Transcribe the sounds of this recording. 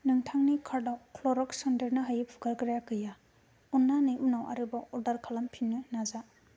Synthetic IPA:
nɯŋtʰaŋnikʰaɾdawkʰloɾɔksandɐɾnɯɦajɯpʰu̥ɡaɾkɾjakɯja | unːanɯjʔunawʔa̰ɾɯbaʔɔɾdaɾkʰalampʰinːɯnaza

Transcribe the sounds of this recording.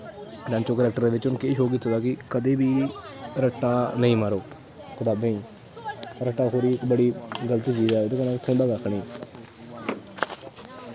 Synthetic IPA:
ɾãːnt͡ʃoːkəlɛːk̚ʈəɾd̪eːʋɪt͡ʃʊnkeːʃoːkɪt̪ʰːoːd̪aːkɪkəd̪eːbiːɾəʈːaːnəĩːməɾoː | kət̪aːbneĩː | ɾəʈːaːkoːɾiːbəɽiːɡələt̪iːziːɾaːot̪ekənãːt̪ʰõːd̪aːɡakʰɳiː

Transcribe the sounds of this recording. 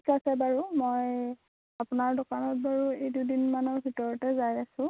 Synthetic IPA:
ikasɛbaɹumoj | apʊnaɹdɔkanɔt̚baɹuejdujdinmanɔɹbʱitɔɹɔtɛzajasʊ̃

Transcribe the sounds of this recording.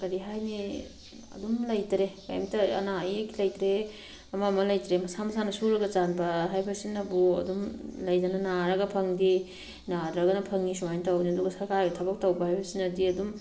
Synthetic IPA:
kɐɾiɦajni | ɐ̰dumlɐjtɾeka̰jmtɐɐ̰naikilɐjtɾe | ɐmamɐlɐjtɾemɐsamɐsanɐsuɾɐɡɐt͡ʃanbɐɦajbɐsinːɐbuɐ̰dumlɐjdɐnɐnaɾɐɡɐpʰɐŋdi | nadɾɐɡɐnɐpʰɐŋisumajntawniɐduɡɐsɐɾkaɾbɐtʰɐbɐk̚tɐwbɐhajbɐsinɐdiɐdum

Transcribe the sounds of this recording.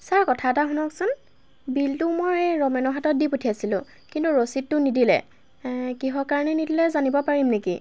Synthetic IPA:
saɹkɔtʰaɛtaɦunɔksʊn | biltʊmojɹejɹɔmɛnɔɦatɔt̚diputʰiasilʊ̰̃ | kintuɹositːʊnidilɛ̰ | kiɦɔkaɹnɛnidilɛzanibɔpaɹimneki

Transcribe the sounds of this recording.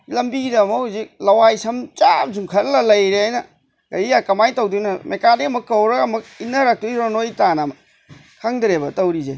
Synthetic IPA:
lɐmbiɾɐmɐhuzik̚lɐwajsɐmt͡ʃap̚zuŋkʰɐɾlɐlɐjɾeajnɐ | ɡɐjijakɐmajtɐwdunɐmekadeɐmɐkːɐwɾɐɡɐmɐk̚inːɐɾak̚tuiɾonojtanɐm | kʰaŋdɾebɐtɐwɾize

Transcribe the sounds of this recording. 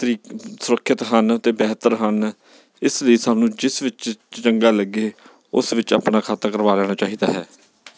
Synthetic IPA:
t̪əɾiːsʊɾəkʰːɪt̪ɦənət̪eːbɛːt̪əɾɦən | ɪsləiːsaːnũːd͡ʒɪsʋɪt͡ʃt͡ʃəŋɡaːləɡeː | ʊsʋɪt͡ʃa̰ːpnaːkʰaːt̪aːkəɾʋaːlɛːɽ̃aːt͡ʃaːɦiːd̪a̰ːɦɛ̰ː

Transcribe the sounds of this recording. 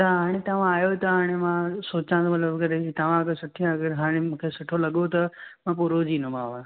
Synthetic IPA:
t̪ɐɦaːɽ̃et̪ɐʋ̤ãaːjot̪ɐɦaːɽ̃emãsoːt͡ɕãt̪ʰomɐt̪ləbkɐɾekit̪ɐʋãɐkɐsʊʈʰijãɐɡəɾɦaːɽ̃emũːkʰesʊʈʰolɐɠot̪ɐmãp̬ʊɾoːd͡ʑinõmaːã

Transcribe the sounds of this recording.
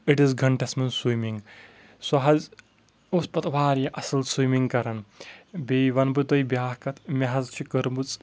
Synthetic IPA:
iʈizɡɐɳʈesmɐnswimiŋɡ | sɐɦɐz | ospɐt̪ʋaːɾjɐʔɐsɐlswimiŋɡkɐɾɐnbiʋɐnbɨt̪ɐjbjaːɦkɐt̪ʰmʲɐɦɐzt͡ʃʰikɐɾmbɨt͡sʼ

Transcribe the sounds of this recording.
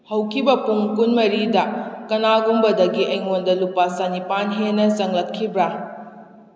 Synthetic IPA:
hɐwkʰibɐpuŋkunmɐɾidɐkɐnaɡumbɐdɐɡiʔɐjŋondɐlupasanipanɦenːɐsɐŋlɐtkʰːibɾa

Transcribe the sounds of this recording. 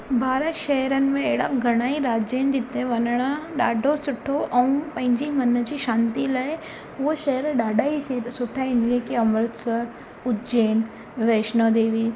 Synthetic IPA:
bʱaːɾəʃɐɦɾənɪ̆mẽeɦɪɽaɡʱɐɽ̃aːiɾaːd͡ʑend͡ʑɪt̪ẽʋɐnəɽ̃əɗaːɖʱosʊʈʰoʔɐũpɐ̃ɦɪ̃ɲd͡ʑimɐnə̆d͡ʑiːʃãːnt̪ilaːe | ʊoʃɐɦəɾɗaːɖʱaːisʊʈʰaɪ̃ɲd͡ʑiə̃kiɐmɾʊt̪sə | ʊt̪d͡ʑeːn | ʋeːʃnod̪eːʋi

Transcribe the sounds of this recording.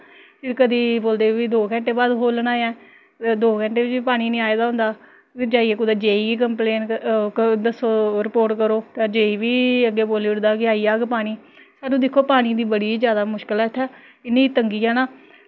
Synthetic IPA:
pɪɾkəd̪iːboːld̪eːʋiːd̪oːkɛ̃ɳʈeːbaːd̪ɦoːlnaːãː | d̪oːkə̃ɳʈeːʋɪt͡ʃipaːɽ̃iːnĩːaːed̪aːɦʊ̃nd̪aː | d͡ʒaːieːkʊd̪aːd͡ʒeːiiːk̬əmpleːn | d̪əsoːɾɪpoːɾʈkəɾoːt̪ãːd͡ʒeːiːʋiːəɡːeːboːliːʊɽd̪aːkɪaːiːaːɡpaːɽ̃iː | saːnːũːd̪ɪkʰːoːpaːɽ̃iːd̪iːbəɽiːzjaːd̪aːmʊʃkəlɛːt̪ʰːɛː | ɪnẽːt̪əŋɡiːaːnaː

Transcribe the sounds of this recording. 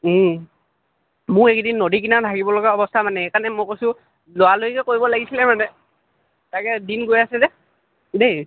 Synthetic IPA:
mʊekdinːodik̬inadʱaɡibɔlɔɡaɔbɔstʰamanɛɛkanɛmokosʊ̃ | loalojkɛkoibɔlaɡisilɛmanɛ | takɛdinɡojasɛzɛ | dej

